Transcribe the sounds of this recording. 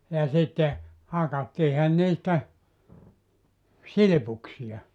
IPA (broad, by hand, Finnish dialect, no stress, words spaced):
jɑ sitːe hɑkɑtːiːhɑn niːstæ silĭpuksij̆ɑ